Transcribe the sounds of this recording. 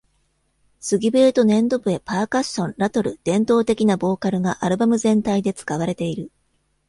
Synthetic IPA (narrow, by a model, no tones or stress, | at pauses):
sɨɡʲibɯet̪o̞nẽ̞nd̪o̞bɯ̟e̞paːkaɕːõ̞nɾat̪o̞ɾɯ̟d̪̥ẽ̞nt̪o̞ːt̪e̞kʲinabo̞ːkaɾɯ̟ŋaʔaɾɯ̟bamɯ̟zẽ̞nt̪aid̪e̞t͡sɨ̥kaβaɾe̞t̪e̞iɾɯ̟